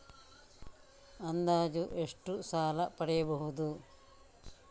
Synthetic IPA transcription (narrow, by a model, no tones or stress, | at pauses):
ɐnd̪aːd͡ʒuʔeʂʈusaːlɐpɐɽɛjɐbɐɦud̪u